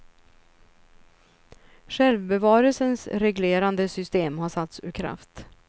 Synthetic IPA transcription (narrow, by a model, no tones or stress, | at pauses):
ɧɛlvbɛvɑːɾəlsənsɾɛɡleːɾand̪əsʏst̪eːmhaʂat̪sʉ̰ːɾkʰɾa̰ft̪